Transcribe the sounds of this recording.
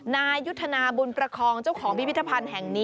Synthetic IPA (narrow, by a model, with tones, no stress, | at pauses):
naː˧jːu˦˥t̪ʰːa˧naː˧buː˧npɾa˧kʰɔː˧ŋt͡ɕa˥˩wkʰɔː˩˦ŋpi˦pi˦˥t̪ʰːa˧pʰa˧nɦɛ˨˩ŋniː˦